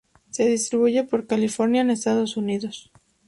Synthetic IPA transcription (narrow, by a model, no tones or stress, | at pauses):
se̞ð̞ist̪ɾiβuʝe̞po̞ɾkalifo̞ɾnjaene̞st̪aðo̞suniðo̞s